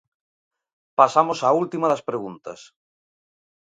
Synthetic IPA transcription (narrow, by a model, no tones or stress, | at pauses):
pasamosault̪imɐðɐspɾeɣunt̪ɐ̰s